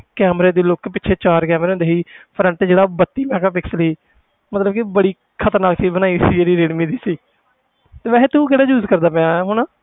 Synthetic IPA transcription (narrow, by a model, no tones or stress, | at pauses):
kɛːmɾeːd̪iːlokpɪtːt͡ʃʰeːt͡ʃaːɾkɛːmɾeːʊ̃nd̪eːɦiːpʰɾəɳʈed͡ʒeːɽaːbət̪ːiːmɛ̃ːkaːpɪksliː | mət̪ləb̚kɪbəɽiː | kʰət̪əɾnaːkt̪iːbənaːiːsiːd͡ʒeːɾiːɾeɽmiːd̪iːsiː | t̪eːʋɛːɦeːt̪ũːkɛɽaːd͡ʒuːzkəɾd̪aːpɛ̃ːãːɦʊnaː